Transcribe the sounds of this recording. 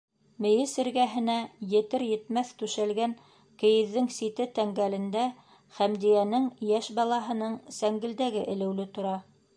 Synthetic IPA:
mɘ̆jɘsɘ̆ɾɡæɦɘ̆næjɘ̆t̪ɘɾjɘ̆t̪mæθt̪ʉʃælɡæŋ | kɘ̆jɘ̆ðːɘŋsit̪ɘt̪æŋɡælɘ̆nd̪æ | χæmd̪ijænɘŋjæʃbɑlˠɑɦɤ̆nɤɴsæŋɡɘ̆ld̪æɡɘʔɘ̆lɘ̆wlɘt̪ŏɾɑ

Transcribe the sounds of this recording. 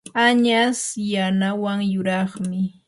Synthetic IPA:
aɲasjanawaŋjʊɾɑχmɪ

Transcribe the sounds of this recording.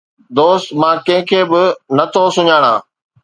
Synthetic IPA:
d̪oːst̪mãːkɐ̃ɦɪ̃kʰeːbɪnɐt̪ʰosʊɲaːɽ̃ã̰ː

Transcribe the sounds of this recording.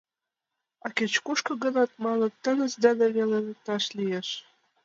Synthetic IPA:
ɑket͡ɕkuʃkɤ̆ɣə̆nɑt̪mɑlɤ̆t̪ːənəzd̪ɑd̪eβelet̪ɑʃlijeʃ

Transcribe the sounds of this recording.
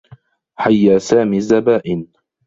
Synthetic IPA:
ħajːaːsaːmiːzːabaːʔɪn

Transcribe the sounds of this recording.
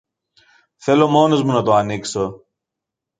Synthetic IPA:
θe̞lo̞mo̞ne̞zmunɐt̪oɐnikso̞

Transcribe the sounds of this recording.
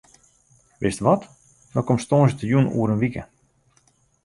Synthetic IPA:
ʋɪstʋɔt | dɔkɔmstoːnzətəjunṵːəɾənʋikə̰

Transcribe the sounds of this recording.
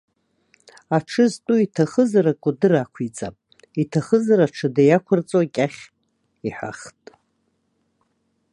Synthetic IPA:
aʈ͡ʂʰɨztʼuitʰaχəzaɾakʷʼʊdɨrakʷʰit͡sʼa̰pʼ | itʰaχəzaɾaʈ͡ʂʰɨdajakʷʰʊrt͡sʼoakʲʼaχʲ | iħa̰χtʼ

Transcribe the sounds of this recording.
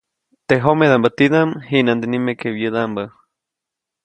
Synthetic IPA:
t̪eɦomeðambət̪iðamɦinand̪enimekeβjəðambə

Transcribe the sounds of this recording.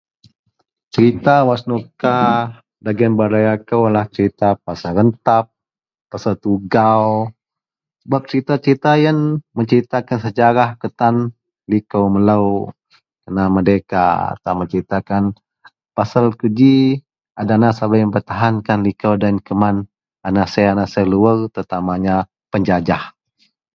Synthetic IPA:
t͡ʃəɾit̪awasnoka | daɡənbaɾajakəwalaht͡ʃəɾit̪apasaɾənt̪ap̚ː | asalt̪uɡaw | səbap̚t͡ʃəɾit̪at͡ʃəɾit̪ajanməɲt͡ʃəɾit̪akansəd͡ʒaɾahkət̪an | likəwmələw | kənamədekaa̰t̪aməɲt͡ʃəɾit̪akan | pasalkud͡ʒi | adanasabajməmpərt̪aɦankanlikəwdankəman | anasajanasəluərt̪ət̪amaɲa | pəɲd͡ʒad͡ʒah

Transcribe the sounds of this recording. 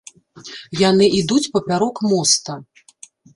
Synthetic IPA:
janɨʔid̪ut͡sʲpɐpʲaɾɔkmɔst̪ɐ

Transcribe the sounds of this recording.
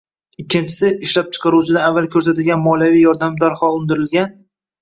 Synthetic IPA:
ɪkʲʰːɪnt͡ʃʰɪ̥sɪɪʃlap̚t͡ʃʰɨ̥qʰɑɾut͡ʃʰɪd̪aavːalˠkʲʰɵɾs̬at̪ɪɡʲanmɒlˠjavijɒɾd̪amd̪aɾχɒʊnd̪ɪɾɪlɡʲan

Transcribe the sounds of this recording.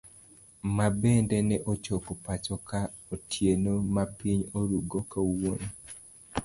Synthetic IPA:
mabɛndɛnɛʔot͡ʃɔkɔpat͡ʃɔka | otʰjenomapiɲoɾuɡokauwone

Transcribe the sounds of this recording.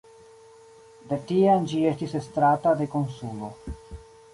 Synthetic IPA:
d̪etiand͡ʒie̞stise̞stɾatad̪e̞ko̞nsulo̞

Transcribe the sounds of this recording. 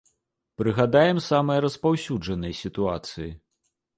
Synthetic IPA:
pɾɨɣad̪ajɛmsamɐjɐɾɐspawsʲud͡ʐɐnɐjsʲit̪uat̪sɨji

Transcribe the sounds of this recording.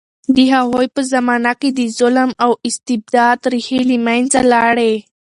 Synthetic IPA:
d̪iɦaɦojpəzamaːnakid̪izʊləmawist̪ib̚d̪aːd̪ɾihelimajnt͡salaɽe

